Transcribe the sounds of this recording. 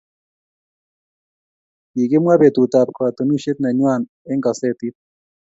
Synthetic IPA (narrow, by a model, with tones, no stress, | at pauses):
ji˨ɡe˦mwa˦be˨t̪u˨t̪a˨p̚kwa˨t̪o˨nu˦ʃe˦t̪na˨ɲwa˦˨n | ɛ˦ŋɡa˨sɛ˦˨t̪i˦t̚